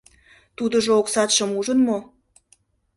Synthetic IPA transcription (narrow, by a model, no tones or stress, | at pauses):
t̪ud̪ə̆ʒooksɑt̪ʃə̆muʒənmo